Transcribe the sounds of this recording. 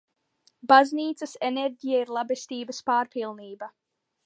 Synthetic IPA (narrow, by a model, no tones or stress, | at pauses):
bazniːt̪sɐseneɾʲɟijaiɾlˠabest̪iːbəspaːɾpilˠniːba